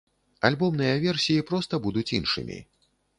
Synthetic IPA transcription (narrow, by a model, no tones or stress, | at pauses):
alʲbɔmnɨjɐvʲɛrsʲijipɾɔst̪ɐbud̪ut͡sʲinʂɨ̰mʲḭ